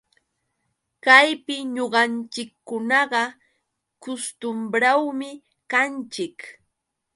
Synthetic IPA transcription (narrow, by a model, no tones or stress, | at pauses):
kajpɪɲoɢɑnt͡ʃɪkːʊnɑɢɑ | kʊst̪ʊmbɾawmɪ | kant͡ʃɪk